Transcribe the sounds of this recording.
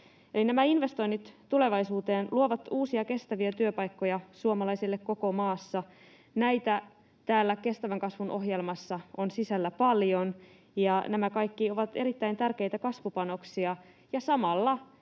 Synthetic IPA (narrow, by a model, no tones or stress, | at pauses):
e̞linæmæinʋe̞st̪o̞jnːit̪t̪ːule̞ʋɑjsuːt̪e̞ːnluo̞ʋɑt̪uːsiɑke̞st̪æʋiæt̪yøpɑjkːo̞jɑsuomɑlɑjsilːe̞kkːo̞komɑːsːɑ | næjt̪æ | t̪æːlːæke̞st̪æʋæŋkɑsʋunʔo̞ɦje̞lmɑsːɑonsisælːæpɑljo̞n | jɑnæmækɑjkːio̞ʋɑt̪e̞ɾit̪ːæjnt̪ærke̞jt̪ækɑsʋupɑno̞ksiɑ | jɑsɑmɑlːɑ